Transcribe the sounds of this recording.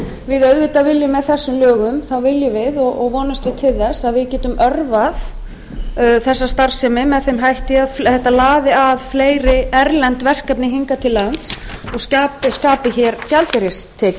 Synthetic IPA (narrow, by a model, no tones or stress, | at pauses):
vɪðœðvɪt̪avɪljɪmːɛðθɛsːʏmlœːɣʏmθawvɪljʏvɪðɔɣɔɣvɔːnʏst̪vɪðt̪ʰɪlθɛsːaðvɪðcɛːt̪ʏmœɾvað | θɛsːast̪ar̥sɛmɪmɛðθejmɦajht̪ɪaðθɛht̪ːalaːðɪaðfleːjɾɪɛɾlɛnt̪vɛr̥kɛpnɪɦiŋkat̪ʰɪlːaant̪s | ɔɣscaːpskaːpɪçɛɾcalt̪ɪɾɪst̪ʰːɛːc